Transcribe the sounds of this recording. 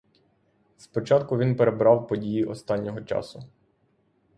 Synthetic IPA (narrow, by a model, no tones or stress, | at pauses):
spɔt͡ʃɑt̪kʊʋʲinpeɾebɾɑwpɔdʲijiʔɔst̪ɑnʲːɔɦɔt͡ʃɑ̰sʊ